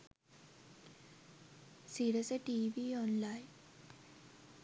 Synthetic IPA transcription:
siɽeseʈiːʋiɔnlaj

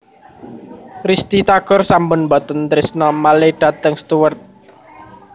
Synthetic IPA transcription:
ɾist̪it̪aɡ̥ɔrsambʊnbɔt̪ənt̪ɾɪsnɔmaleɖ̥a̤t̪əŋst̪uwərt̪̚

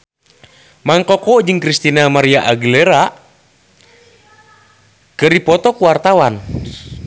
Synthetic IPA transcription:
maŋkɔkɔd͡ʒɨŋkɾist̪inamaɾiaʔaɡilɛɾa | kəɾipɔt̪ɔkuwart̪awan

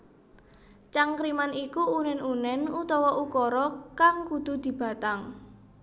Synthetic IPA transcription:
t͡ʃaŋkɾimanikuunɛnunɛnut̪ɔwɔʔukɔɾɔkaŋkud̪̥ṳd̪̥i̤b̥a̤t̪aŋ

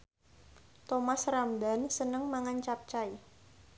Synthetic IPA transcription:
t̪omasramd̪a̤nsənəŋmaŋant͡ʃap̚t͡ʃai

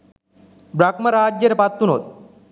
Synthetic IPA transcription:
bɾakmɐɾaːd͡ʑjeɾepat̪ːunɦot̪̚

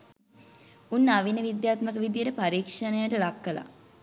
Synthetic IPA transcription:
unːaʋinəʋid̪jaːt̪məkəʋid̪ijəʈəpaɾiːkʂənəjaʈəlakːəla̰

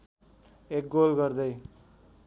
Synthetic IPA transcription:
ek̚ɡolɡʌɾd̪ʌj

